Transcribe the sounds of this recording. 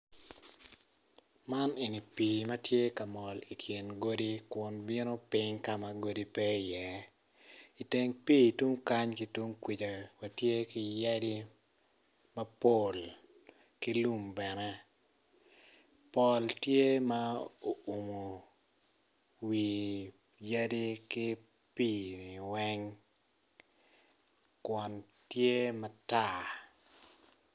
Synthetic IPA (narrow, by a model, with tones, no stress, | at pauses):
ma˦ne˨ni˨pi˨mɐ˦tje˦ka˨mɔ˨li˨kʰjɪ˨nɡo˦di˦kwʊ˨nbɪ˦no˦pɪ˦ŋka˦ma˨ɡo˦di˦pɛ˦i˨jɛ˦ | i˨te˨ŋpi˦˨tu˦ŋka˦ɲki˨tu˦ŋkwi˨t͡ʃa˨wa˨tje˦ki˨jɛ˦di˦ | mɐ˦po˦˨l | ki˦lu˦mbɛ˨nɛ˦ | pɔ˦ltje˦ma˦o˨u˨mo˨ | wi˨ | ja˦di˦kɪ˦ | pi˦˨i˨wɛ˦ŋ | kwɔ˨n | tje˦mɐ˦ta˦˨